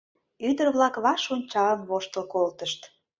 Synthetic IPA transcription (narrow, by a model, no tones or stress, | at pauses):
yd̪ərβlɑkβɑʃonʲt͡ɕɑəmβoʃt̪əlkolt̪əʃt̪